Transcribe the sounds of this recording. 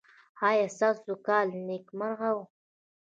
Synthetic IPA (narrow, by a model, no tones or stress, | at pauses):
hɑjasasukɑːlnekmaɾɣaw